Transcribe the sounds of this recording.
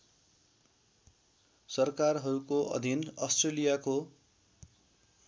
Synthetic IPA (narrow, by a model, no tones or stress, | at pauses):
sʌrkarɦʌɾukoʔʌ̰d̪ʱinʌsʈrelijako